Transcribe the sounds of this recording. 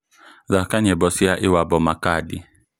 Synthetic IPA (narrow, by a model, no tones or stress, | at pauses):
zakaɲɛbɔsiaʔɪwabɔmakadḭ